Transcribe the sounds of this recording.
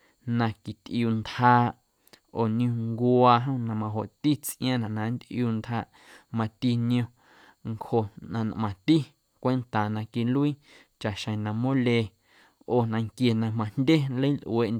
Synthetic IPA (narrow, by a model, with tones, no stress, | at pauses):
nã˧ki˨t̪ʔjuː˧˨nt̪haː˧ʔ | oː˨ñũ˧ŋɡaː˧ɦõ˦nã˧mã˧ɦo˨ʔt̪i˦t͡sʔj̃ã˦nã˨ʔnã˨˦nd̪ʔjuː˧˨nt̪haː˧ʔ | mã˧t̪i˦nĩõ˧ | ŋkho˧ʔnã˧na̰˧ʔmã˨t̪i˦ | kʷe˦nt̪a˨nã˧ki˧nlu˦iː˦ | t͡ʃa˨ʔʃə̃˨nã˧mõ˦le˧ | oː˧˨nã˧ŋkje˧nã˧mã˧n̥dʲe˦nlə˦jnlʔw̰e˧ʔ